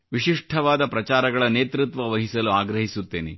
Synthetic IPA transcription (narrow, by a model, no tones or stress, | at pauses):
ʋiʃiʂʈʰɐʋaːd̪ɐpɾɐt͡ʃaːɾɐɡɐɭɐneːt̪ɾut̪ʋɐʋɐɦisɐluaːɡɾɐɦisut̪ːeːnḛ